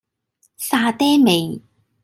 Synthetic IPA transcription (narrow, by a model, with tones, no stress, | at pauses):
saː˧t̪ɛː˥me˨j